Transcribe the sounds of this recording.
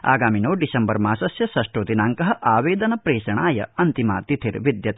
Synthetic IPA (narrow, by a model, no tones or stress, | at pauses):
a̰ːɡaːminoːɖisɐmbɐɾmaːsɐsjɐsɐʂʈoːt̪inaːŋkɐɦɐ̆ʔaːʋeːd̪ɐnɐpɾeːʃɐɳaːjɐ̰ɐnt̪ima̰ːt̪it̪ʰiɾʋid̪jɐt̪